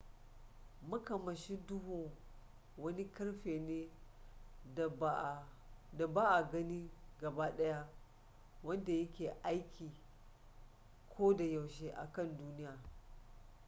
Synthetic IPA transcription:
mɐ˦kɐ˨mɐ˨ʃi˦dʊ˦hu˨ŋ | wɐ˦ni˦kɐ˦ɽɸeː˨ne˦˨ | da˨baː˦ʔa˨ɡɐ˦ni˦ɡɐ˨baː˦ɗɐ˦ja˦ | wɐ˦nda˨jɐ˦kʲeː˨ʔa˦jkʲʰiː˨ | kʷʰoː˦da˨ja˨wʃeː˦ʔa̰˨kɐ˦˨nduː˦nɪ˦jaː˨

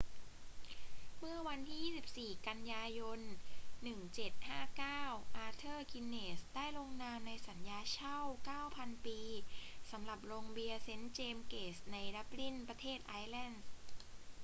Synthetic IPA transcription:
mɯ˥˩ɐwa˧nt̪ʰiː˥˩iː˥˩si˨˩p̚siː˨˩ka˧njaː˧jo˧nːɯ˨˩ŋt͡ɕe˨˩t̪̚haː˥˩kaː˥˩wʔaː˧˥t̪ʰɤː˥˩ki˧nːeː˨˩sdaː˥˩jlo˧ŋnaː˧mna˧jsa˩˦njaː˧t͡ɕʰa˥˩wkaː˥˩wpʰa˧npiː˧sa˩˦mla˨˩p̚loː˧ŋbi˧əse˦˥nt͡ɕeː˧mkeː˨˩sna˧jda˦˥p̚li˥˩npɾa˧t̪ʰeː˥˩t̪̚ʔaː˧˥jlɛ˥˩ns

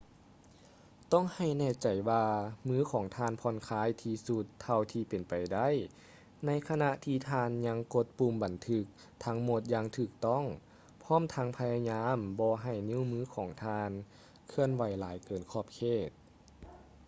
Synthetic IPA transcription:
t̪ɔ˥˨ŋha˧˩jnɛː˧˩t͡ɕa˨˩jwaː˧mɯː˧˥˨kʰɔː˩˦ŋt̪ʰaː˧˥˨npʰɔ˧˥nkʰaː˧˥˨jt̪ʰiː˧su˧t̪ʰːa˧wt̪ʰiː˧pe˨˩npa˨˩jda˥˨j | na˧˥˨jkʰa˧na˧ʔt̪ʰiː˧t̪ʰaː˧nɲa˧˥ŋko˧˥t̪̚puː˧˩mba˨˩nt̪ʰɯ˧k̚ | t̪ʰa˧˦˥ŋmo˧t̪̚jaː˧ŋt̪ʰɯː˧˩k̚t̪ɔ˥˨ŋ | pʰɔː˧˥˨mt̪ʰa˧˥ŋpʰa˧jaː˧ɲaː˧˥˨mbɔː˧ɦa˧˩jni˧˥˨wmɯː˧˥kʰɔː˩˦ŋt̪ʰaː˧n | kʰɯ˧ənwa˨˩jlaː˨˦jkɤː˨˩nkʰɔː˧˩p̚kʰeː˧˩t̪̚

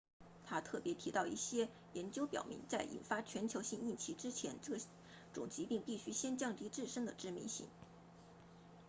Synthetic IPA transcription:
t̪ʰa˥t̪ʰɤ˥˩pjɛ˧˥t̪ʰi˧˥t̪ɑ˥˧ʊḭ˥˩ɕjɛ˥ | jɛ˧˥nt͡ɕjo˥ʊpjɑ˨˩ʊmḭ˧˥ŋt͡sa˥˩ɪʔḭ˨˩nfa˥t͡ɕʰɥɛ˧˥nt͡ɕʰjo˧˥ʊɕi˥˧ŋi˥˩nt͡ɕʰi˧˥ʈ͡ʂɻ̩˥t͡ɕʰjɛ˧˥nɤ˥˩ | ʈ͡ʂʊ̰˨˩ŋt͡ɕi˧˥pi˥˧ŋpi˥˩ɕy˥ɕjɛ˥nt͡ɕjɑ˥˧ŋt̪i˧˥ʈ͡ʂɻ̩˥˩ʂɤ˥ŋd̪ə˨ʈ͡ʂɻ̩˥mḭ˧˥nɕḭ˥˩ŋ

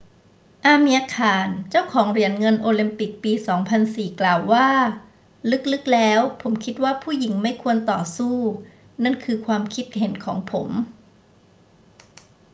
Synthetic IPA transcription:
ʔaː˧miː˧ʔaː˧kʰaː˨˩nt͡ɕa˥˩wkʰɔː˩˦ŋɾi˧˩ənŋɤ˧nʔoː˧li˧mpi˨˩k̚piː˧sɔː˩˦ŋpʰa˧nsiː˨˩klaː˨˩wːaː˥˩ | lɯ˦˥k̚lɯ˦˥k̚lɛː˦˥wpʰo˩˦mkʰi˦˥t̪̚waː˥˩pʰuː˥˩ji˩˦ŋma˥˩jkʰu˧ənt̪ɔː˨˩suː˥˩ | na˥˩nkʰɯː˧kʰwaː˧mkʰi˦˥t̪̚he˨˩˦nkʰɔː˩˦ŋpʰo˩˦m

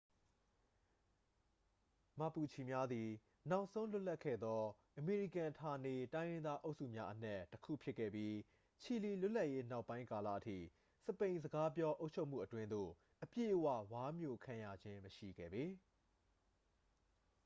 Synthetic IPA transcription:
ma˦˨pu˨t͡ɕʰi˨mja˦d̪i˨ | na˦ʊʔsõ˦ʊ̃lʊ˦ʔla˦kʰɛ̰˦˨d̪ɔ˦ | ʔəme˨ɹi˦˨kã˨tʰa˨ne˨tã˦ɪjɪ̃˦nd̪a˦ʔo˦ʔsṵ˦˨mja˦ʔən̥ɛ˦˨tːəkʰṵ˦˨pʰjɪ˦ʔkʰːɛ̰˦˨bji˦ | t͡ɕʰi˨le˨lʊ˦ʔla˦ʔje˦na˦ʊpːã˦ɪ̃ka˨la̰˦˨ʔətʰḭ˦˨ | sə˨pẽ˨ɪ̃nzəɡa˦p̬jɔ˦ʔo˦ʊʔt͡ɕʰo˦ʊʔm̥ṵ˦˨ʔətwɪ̃˦nd̪o̰˦˨ | ʔəpjḛ˦˨ʔəwä̰˦˨wa˦mjo̰˦˨kʰã˨ja̰˨d͡ʑɪ̃˦məʃḭ˦˨ɡɛ̰˦˨be˨

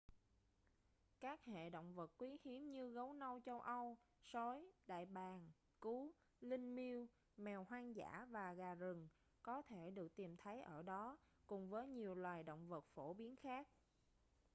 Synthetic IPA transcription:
kaː˦˥k̚hḛ˧˨ɗo̰˧˨wŋ͡mvə˨˩t̚kwi˨˦hi˨˦əmɲɨ˧ɣə˨˦wnə˧wt͡ɕə˧wʔə˧wso˨˦jɗa̰ː˧˨jɓaː˨˩n | ku˨˦ | lï˧ŋmi˧əw | mɛ˨˩wɦwaː˧ŋza̰ː˧˥vaː˨˩ɣaː˨˩zɨ˨˩ŋ | kɔ˨˦t̪ʰe˧˩ɗɨ˨˩ək̚t̪i˨˩mt̪ʰə˨˦jʔəː˧˩ɗɔ˨˦ | kʊ˨˩ŋ͡mvəː˨˦jɲi˨˩əwlwaː˨˩jɗə̰˧˨wŋ͡mvə˨˩t̚fo˧˩ɓi˨˦ənxaː˦˥k̚

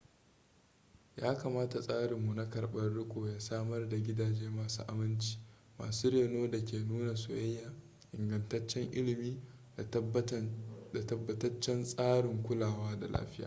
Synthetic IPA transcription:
jaː˦kaː˨maː˦ta˨sʼaː˦ɽɪ˨mːu˨na˦kɐ˨ɾɓɐ˦rɽʊ˦kʷʼoː˨jaː˦saː˦mɐ˦rda˨ɡʲɪ˦daː˨d͡ʒeː˦maː˨sṵː˦ʔa̰˨mɪ˦nt͡ʃi̥ː˦ | ma̰ː˨suː˦ɽeː˨noː˦da˨kʲeː˨nuː˦na˨sʊ˨jɐ˦jːaː˨ | ʔɪ˨ŋɡɐ˨ntɐ˦t͡ʃːɛ˦ŋʔɪ˦lɪ˨miː˦ | da˨tɐ˦bːɐ˦tɐ˦t͡ʃːɛ˦nsʼaː˦ɽɪ˨ŋkʷʊ˦laː˨waː˦da˨lʔa̰ː˦ɸɪ˦ja̰ː˨

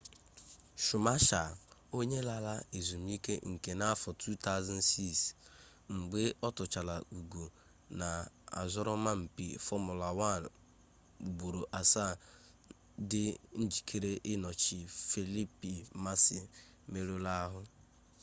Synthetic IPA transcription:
ʃʊ˨ma˦ʃa˨o˦ɲe˦la˨la˦e˨zu˨m̩˦i˦kḛ˦ŋ̩˨ke˨na˦fɔ˨tʰu˦ta˦ʊ˦za˦n˦si˦˨s | ŋ͡m̩˨ɡ͡be˦ɔ˦tʊ˨t͡ʃa˨la˨u˨ɡo˨ | na˨a̰˨zɔ˦ɾɔ˦ma˦m̩˨pḭ˨fɔ˦mʊ˨la˨wa˦˨n | u˨ɡ͡bo˨ɾo˨ʔa˨sa˦˨ | dɪ˦n̩˦d͡ʒi˨kʰe˦ɾe˦ʔɪ˦nɔ˨t͡ʃi˨fe˨li˦pi˨ma˦sɪ˨ | me˦ɾo˦la˦ɦʊ˦

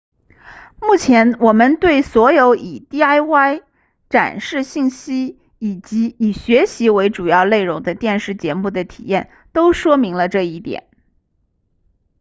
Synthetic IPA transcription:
mu˥˩t͡ɕʰjɛ˧˥nwɔ˨˩mə˦nt̪we˥˩ɪswɔ˧˥jo˧˥ʊʔi˨˩t̪i˥˧a˥ɪwa˥ɪ | ʈ͡ʂa̰˨˩nʂɻ̩˥˧ɕi˥˩nɕi˥ | i˨˩t͡ɕi˧˥i˨˩ɕɥɛ˧˥ɕi˧˥we˧˥ɪʈ͡ʂu˨˩jɑ˥˧ʊle˥˩ɪɻʊ˧˥ŋd̪ə˧t̪jɛ˥˧nʂɻ̩˥˩t͡ɕjɛ˧˥mu˥˩d̪ə˩t̪ʰḭ˨˩jɛ˥˩n | t̪o˥ʊʂwɔ˥mi˧˥ŋlə˧ʈ͡ʂɤ˥˧i˥˩t̪jɛ̰˨˩˦n

